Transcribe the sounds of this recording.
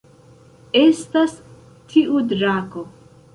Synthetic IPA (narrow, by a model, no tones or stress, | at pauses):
estas | tʰiʔudɾako